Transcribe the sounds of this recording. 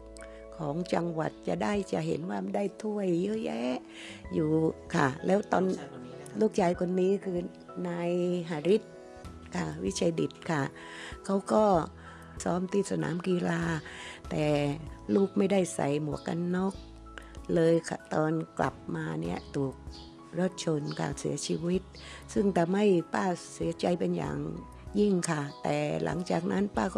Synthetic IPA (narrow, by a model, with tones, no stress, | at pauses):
kʰɔː˩˦ŋt͡ɕa˧ŋwa˨˩t̪̚t͡ɕa˨˩ʔda˥˩jt͡ɕa˨˩ʔɦḛ˨˦nwaː˥˩˧daː˥˩jt̪ʰu˥˩əjːəː˦˥˨jɛ˦˥ | juː˨˩kʰa̰˥˩lɛː˦˥wt̪ɔː˧n | luː˥˩k̚t͡ɕaː˧jkʰo˧nːiː˦˥kʰɯː˧ | naː˧jɦaː˨˦ɾi˦˥t̪̚ | kʰa˥˩wi˦˥t͡ɕʰa˧jdi˨˩t̪̚kʰa˥˩ | kʰa˦˥wkɔː˥˩ | sɔː˦˥mt̪iː˧˩t̪̚sa˧na̰ː˩˦mkiː˧laː˧t̪ɛː˨˩luː˥˩k̚ma˥˩jda˥˩jsa̰˨˩jmu˨˦əkːa˧nːɔ˦˥˩k̚ | lɤː˧jkʰa˧˩t̪ɔː˧nkla̰˨˩p̚maː˧ni˦˥˩ɐt̪ʰuː˨˩k̚ | ɾo˦˥˩t̪̚t͡ɕʰo˧nkʰa̰ː˧˩ŋsḭ˩˦ɐt͡ɕʰi˧wi˦˥t̪̚ | sɯ˥˩ŋt̪ʰa˧ma˥˩jpaː˧˥˩si˩˦ɐt͡ɕa˧jpe˧nja̰ː˨˩ŋ | ji˥˩ŋkʰa˧˩t̪ɛ̰ː˨˩lʔa̰˩˦ŋt͡ɕa̰ː˨˩k̚nʔa˦˥˨npaː˥˩kɔ˧